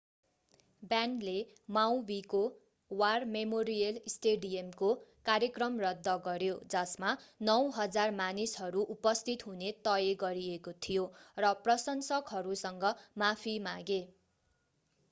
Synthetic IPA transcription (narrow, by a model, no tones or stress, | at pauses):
bjanle | mawbiko | warmemoɾijʌlisʈeɖiemkokaɾjʌkrʌmrʌd̪ːʌɡʌɾjod͡zʌsmanʌwɦʌd͡zarmanisɦʌɾuʔupʌst̪ʰit̪ɦunet̪ʌjeɡʌɾiekot̪ʰijorʌprʌsʌnsʌkɦʌɾusʌŋɡʌmapʰimaɡe